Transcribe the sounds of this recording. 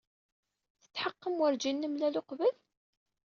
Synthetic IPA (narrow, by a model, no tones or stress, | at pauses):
θə̥t͡sːħəqːəmwəɾd͡ʒinːəmlæloqvəl